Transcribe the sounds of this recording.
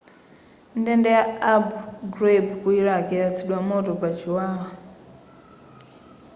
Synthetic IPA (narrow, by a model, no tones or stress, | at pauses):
ndɛndɛjaabuɡɾebkuiɺakɛat͡sʰiɗwamɔtɔpat͡ʃiwaːɦa